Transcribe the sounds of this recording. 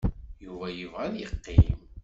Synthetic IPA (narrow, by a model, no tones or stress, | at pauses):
juvæjuvæðjəqːim